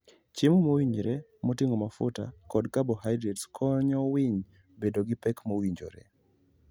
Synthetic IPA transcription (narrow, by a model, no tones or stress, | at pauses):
t͡ʃɪmomowiɲɾɛ | motɪŋomafʊ̰ta̰kɔdkabohajdɾɛtskʰɔɲɔwiɲ | bedoɡɪpɛkmowiɲd͡ʒo̰ɾɛ̰